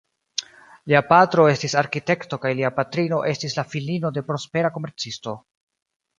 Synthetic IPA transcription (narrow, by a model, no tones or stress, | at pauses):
liapatɾo̞e̞stisaɾkite̞kto̞kajliapatɾino̞ʔe̞stislafilino̞de̞pɾo̞spe̞ɾako̞me̞ɾt͡sisto̞